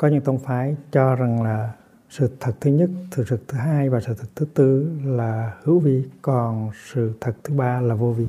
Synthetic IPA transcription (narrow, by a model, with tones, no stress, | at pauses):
kɔ˨˦ɲɨ̰˧˥ŋt̪ə˧wŋ͡mfaː˨˦jt͡ɕɔ˧za˨˩ŋlaː˨˩ | sɨ̰˧˨t̪ʰə˨˩k̚t̪ʰɨ˨˦ɲə˦˥t̚t̪ʰɨ̰˨˧˨t̪ʰə˨˩k̚t̪ʰɨ˨˦ɦaː˧jvaː˨˩sɨ̰˧˨˩t̪ʰə˨˩t̪ʰɨ˨˦t̪ɨ˧laː˨˩hɨ˧˥əwvi˧˨kɔ˨˩nsɨ̰˧˨t̪ʰə˨˩t̚t̪ʰɨ˨˦ɓaː˧laː˨˩vo˧vi˧˨